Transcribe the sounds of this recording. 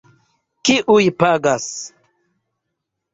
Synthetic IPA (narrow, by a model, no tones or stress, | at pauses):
kiʔujpaɡas